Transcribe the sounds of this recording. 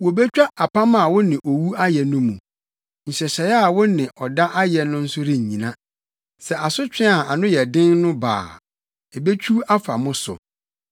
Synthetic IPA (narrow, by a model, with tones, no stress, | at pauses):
wɔ˨bɛ˦t͡ɕᶣa˦a˨pʰa˦mã˦˨wʊ˦nɪ̃˨ʔo˨wu˦a˦jɛ˨nʊ̃˦mũ˨ | ɲ̩˨ɕɛ˨ɕɛ˨˦a˨wʊ˦nɪ̃˨ʔɔ˨da˦ʔa˦jɛ˨nʊ̃˦n̩˦sʊ˦ɾĩ˨ɲĩ˨nã˦ | sɛ˨a˨sʊ˦t͡ɕᶣɛ̃˦a˨a˨nʊ̃˦jɛ˨dɪ̃˦nnʊ̃˦ba̰ː˨ | ɛ˨be˦t͡ɕʰu˦a˦fa̰˨mʊ̃˦sʊ̰˨